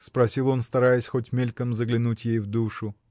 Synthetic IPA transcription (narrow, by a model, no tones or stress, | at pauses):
spɾɐsʲilˠo̞nst̪ɐɾajɪsʲxo̞tʲmʲelʲkəmzəɡlʲɪnutʲjejvd̪uʂʊ